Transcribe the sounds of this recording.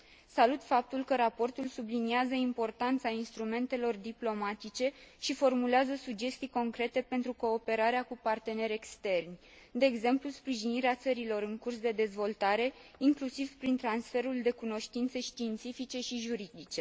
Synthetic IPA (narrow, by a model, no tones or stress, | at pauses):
salut̪fap̚t̪ulkəɾapo̞rt̪ulsubliniazəimpo̞rt̪ant̪sainst̪ɾume̞nt̪e̞lo̞rd̪iplo̞mat̪it͡ʃe̞ʃifo̞rmuleazəsud͡ʒe̞st̪ijko̞ŋkɾe̞t̪e̞pe̞nt̪ɾuko̞ːpe̞ɾaɾeakupart̪e̞ne̞ɾʲe̞kst̪e̞rnʲ | d̪e̞ːɡze̞mpluspɾiʒiniɾeat̪səɾilo̞ɾɨŋkursd̪e̞d̪e̞zvo̞lt̪aɾe̞iŋklusiv̥pɾint̪ɾansfe̞ɾuld̪e̞kuno̞ʃt̪int̪səʃt̪iːnt̪sifit͡ʃe̞ʃiʒuɾid̪it͡ʃe̞